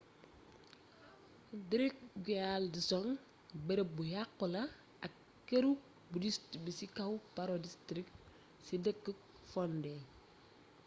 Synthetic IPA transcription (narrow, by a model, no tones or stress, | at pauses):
diɾik̚ɡialdisɔŋ | beɾebujakːula | akː | eɾu | budistbisikawpaɾodistɾik̚ | sidəkːək̚ | fɔnde